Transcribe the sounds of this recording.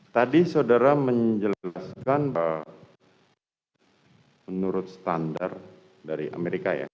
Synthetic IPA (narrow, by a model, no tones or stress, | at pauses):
t̪adisaudaɾaməɲd͡ʒəllaskanb | mənuɾʊt̪̚sə̥t̪andar | daɾiʔa̰meɾikaja̰